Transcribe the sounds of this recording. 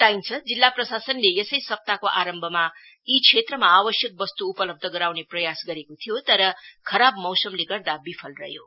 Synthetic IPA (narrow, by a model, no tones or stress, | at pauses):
ʈ̪aimt͡sʰʌd͡zilːaprʌsasʌnlejʌsʌjsʌp̚t̪akoʔaɾʌmbʱʌma | ikʰet̪rʌmaːbʌsjʌk̚bʌst̪uːpʌlʌb̚d̪ʱʌɡʌɾawneprʌjasɡʌɾekot̪ʰijot̪ʌɾʌkʰʌɾabmʌwsʌmleɡʌrd̪abipʰʌlrʌ̰ɦjo̰